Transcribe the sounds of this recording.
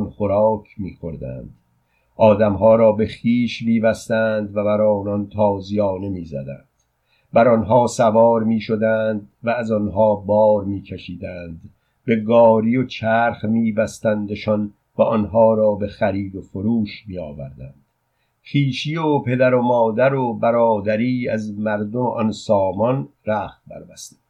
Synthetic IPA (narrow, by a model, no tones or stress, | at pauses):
nχoɾɑːkʰmiːxo̞ɾd̪æ̰ːnd̪̥ | ʔɒːd̪æmɦɒːɾɒːbe̞xiːʃmiːbæst̪æːnd̪væbæɾɒːnɒnt̪ʰɒːzijɒːne̞miːzæ̰d̪æ̰nd̪̥ | bæɾɒnɦɒːsævɒːɾmiːʃo̞d̪æːnd̪væːzɒnɦɒːbɒːɾmiːkʰeʃiːd̪æːnd̪ | be̞ɡɒːɾijot͡ʃʰæːɾχmiːbæst̪ænd̪eʃɒn | væʔɔnɦɒːɾɒːbe̞xæɾiːd̪o̞foɾuːʃmijɒːvæ̰ɾd̪ænd̪̥ | χiːʃiːopʰe̞d̪æɾomɒːd̪æɾobæɾɒːd̪æɾiːæzmæɾd̪omeʔɔnsɒːmɒnɾæːχt̪̚bʰæ̰ɾbæst̪i̥